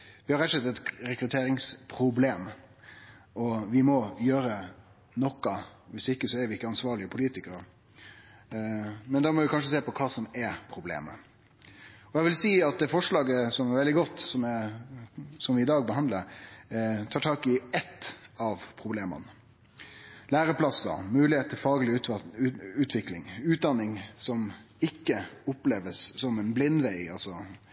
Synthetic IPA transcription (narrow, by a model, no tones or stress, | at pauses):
ʋɪhɑɾɛt̪ːʂɛt̪ːɑɛt̪ɾɛkɾʉt̪ʰeːɾɪŋspʰɾʊbleːm | ɔʋɪmɔjøːɾə | nɔkːɑʋɪsɪkːəsɔæɾʋɪɪkːəɑnsʋɑːɭɪəpʰʊliːt̪ɪkəɾə | mɛnd̪ɑːmɔʋɪkʰɑnʂ̬əseːpɔkʰɑːsɔmɛɾpʰɾʊblḛːmə̰ | ɔjɛʋɪlsiːɑt̪̚d̪ɛfɔʂlɑːɡəsɔmɛɾʋɛld̪ɪɡɔt̪ːsɔmɛ | sɔmʋɪɪd̪ɑːɡbəɦɑnd̪ləɾ | t̪ʰɑːʈʰɑːkɪɛt̪ːɑʋpʰɾʊbleːmə̰n | læːɾəpʰlɑsə̰mʉːlɪeːt̪̚ʰɪlfɑːɡəlɪ | ʉːt̪ʰʋɪklɪ̰ŋʉːt̪̚d̪ɑnːɪŋsɔmɪkːəʊpleːʋəsːɔmɛnblɪnːʋæɪɑ̰lsɔ